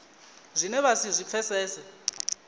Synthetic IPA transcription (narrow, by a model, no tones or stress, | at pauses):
zʷinɛβasizʷipfʰɛsɛːsɛ